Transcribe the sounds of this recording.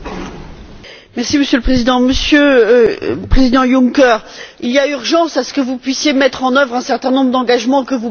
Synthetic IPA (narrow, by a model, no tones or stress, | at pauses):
mɛʁsiməsjøləpχezid̪ɑ̃məsjø | pχezid̪ɑ̃jũŋkɛʁiliayʁʒɑ̃sasə̥kəvupɥisjemɛt̪χɑ̃nœvʁɛ̃sɛʁt̪ɛ̃nɔ̃bʁəd̪ɑ̃ɡaʒmɑ̃kəvu